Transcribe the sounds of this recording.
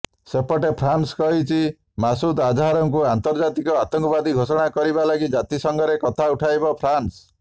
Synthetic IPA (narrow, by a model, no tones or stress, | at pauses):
sepɔʈepʰɾanskɔɦit͡ʃʰi | masud̪ad̪ʱaɾɔŋk̬uant̪ɔɾd͡ʒat̪ikɔat̪ɔŋkɔbad̪iɡʱosɔɽ̃akɔɾibalaɡid͡ʒat̪isɔŋɡʱɔɾekɔt̪ʰauʈʰajbɔpʰɾans